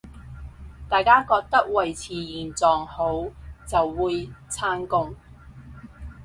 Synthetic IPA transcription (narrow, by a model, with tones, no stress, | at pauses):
t̪aː˨jkaː˥kɔː˧k̚t̪ɐ˥k̚wɐ˨jt͡sʰiː˨˧jiː˨˩nt͡sɔː˨ŋho˨˥wt͡sɐ˨wːuː˨˧jt͡sʰaː˥nkʊ˧ŋ